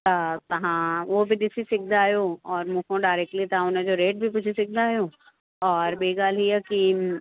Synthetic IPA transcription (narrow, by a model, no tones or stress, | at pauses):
t̪at̪ɐɦãʋoːbʱid̪ɪsisɪk̚ʰd̪aːjoɔːɾmʊ̃kʰõɖaːɪɾɛk̚ʈlit̪ãonad͡ʒoːɾeːʈ̚bʱipʊt͡ʃʰisɪk̚d̪aːjoː | ɔːɾbeɡaːlijaki